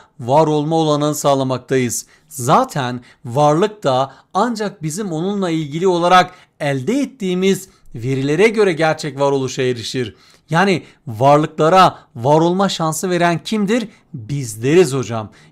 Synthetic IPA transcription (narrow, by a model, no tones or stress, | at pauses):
vaɾo̞lˠmaolˠanɯɯsaːlˠamak̚t̪ʰajɯz̥ | zaːt̪ʰæn | vaɾlˠɯk̚t̪ʰa | and͡ʒak̚bizimo̞nunlˠailʲɟilʲio̞lˠaɾak | ælʲd̪ɛɛt̪ːiːmiz | ve̞ɾilʲe̞ɾɛɟø̞ɾɛɟæɾt͡ʃʰɛcvaɾo̞lˠuʃaeɾiʃiɾ | jaːni | vaɾlˠɯklˠaɾavaɾo̞lˠmaʃansɯve̞ɾæncʰimd̪iɾ | bizlʲe̞ɾizho̞d͡ʒam